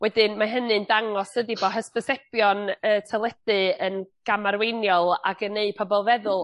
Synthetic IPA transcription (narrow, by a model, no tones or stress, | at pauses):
wɛdɨnmaɦənɨndaŋɔsədibɔɦəspəsɛpjɔnəːtʰalˠɛd̥ɨənɡ̥amaɾwejnjɔlˠa̰ɡənːeɨpʰɔbɔlˠvɛðʊlˠ